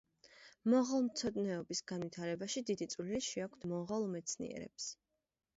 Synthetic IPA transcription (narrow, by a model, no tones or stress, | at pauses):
mɔʁalˠmt̪sʰɔd̪nɛɔbisɡanvit̪ʰaɾɛbaʃid̪id̪it̪sʼwliliʃiakʷʰt̪ʰmɔʁalˠmɛt̪sʰnḭɛ̰ɾɛ̰ps